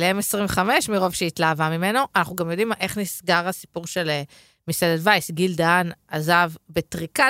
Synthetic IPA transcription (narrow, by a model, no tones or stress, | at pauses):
leemesʁimveχame̞ʃmiʁo̞vʃeit̪laːvamime̞noʔanaχnuɡamjo̞dimʔe̞χnisɡaʁhasi̥puʁʃe̞le | misededvajsɡild̪anazavbet̪ʁika